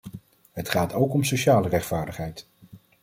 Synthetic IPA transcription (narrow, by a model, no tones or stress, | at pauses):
ɦətχaːtowkɔmsoʃaːlərɛχtfaːɹdəχɦɛjt